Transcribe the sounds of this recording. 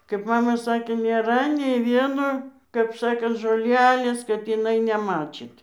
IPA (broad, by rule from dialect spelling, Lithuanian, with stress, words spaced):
kɐɪp ˈmɑːmɐ ˈsɑːkʲeː nʲeːˈrɐ nʲɛɪ ˈʋʲiɛnoː kɐp ˈsɑːkɐnt ʒoːˈlʲæːlʲeːs kɐt ɪˈnɐɪ nʲɛˈmɑːt͡ʃʲiːt